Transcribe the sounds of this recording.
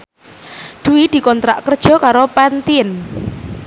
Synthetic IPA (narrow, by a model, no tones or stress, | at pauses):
d̪̥uwid̪̥i̤kɔnt̪ɾa̰ʔkərd̥ʒ̥ɔ̤kaɾopant̪iən